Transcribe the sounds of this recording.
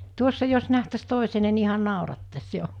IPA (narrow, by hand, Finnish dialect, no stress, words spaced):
tuosːɑ jos næhtæs toˑisene ni ihɑn̆ nɑˑorɑtːɑs jo